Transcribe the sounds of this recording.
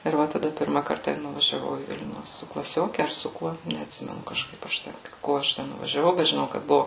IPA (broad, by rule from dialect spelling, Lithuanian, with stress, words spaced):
ɪr ˈʋɐ tɐˈdɐ ˈpʲɪrmɐ ˈkɐrtɐ ɪr nʊʋɐʒʲɛˈʋɐʊ iː ˈʋʲɪlʲnʲuː sʊ klˠɐˈsʲoːkʲɛ ɐr sʊ ˈkuɔ nʲɛɐtʲˈsʲɪmʲɛnʊ kɐʃˈkɐɪp ɐʃ ˈtʲɛn ˈkoː ɐʃ ˈtʲɛn nʊʋɐʒʲɛˈʋɐʊ bʲɛt ʒʲɪˈnɐʊ kɐt ˈbʊʋʊ